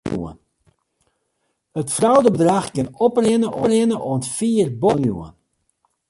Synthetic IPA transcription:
ṵə̰n | hətfrawdəbədraxkɪnɔprɪnəʔorɪnəʔoəntfiːərbonjṵə̰n

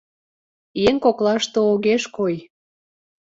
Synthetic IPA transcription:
jeŋkoklɑʃt̪ooɣeʃkoj

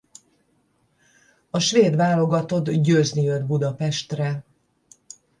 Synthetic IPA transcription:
ɒʃʋeːd̪vaːlo̞ɡɒt̪o̞d̪ɟøːznijød̪bud̪ɒpɛʃt̪rɛ

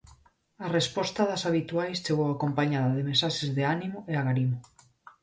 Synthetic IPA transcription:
arespɔst̪aðɐsaβit̪uajst͡ʃeɣowakompaɲaðɐðemesaʃezðeanimoʔeaɣaɾimo

